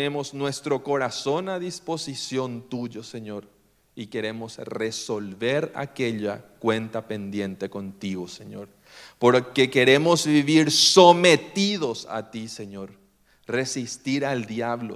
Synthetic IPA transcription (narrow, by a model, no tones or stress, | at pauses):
emoznwe̞st̪ɾo̞ko̞ɾaso̞naðisposisjont̪uʝoseɲo̞ɾ | ike̞ɾe̞mo̞sresolβeɾa̰keʎakwe̞nt̪apend̪je̞nt̪eko̞nt̪iɣoseɲoɾ | poɾkeke̞ɾemozβiβiɾsomet̪iðo̞sa̰t̪iseɲoɾ | re̞sist̪iɾald̪jaβlo̰